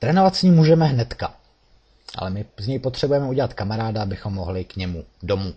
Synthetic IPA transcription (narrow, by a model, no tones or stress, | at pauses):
t̪ɾɛːno̞vat̪sɲiːmːuːʒɛmɛɦnɛt̪ka | ʔa̰lɛmɪzɲɛjpo̞t̪r̝̥ɛbujɛmɛuɟɛlat̪kamaɾaːdaabɪxo̞mːo̞ɦlɪkɲɛmudo̞muː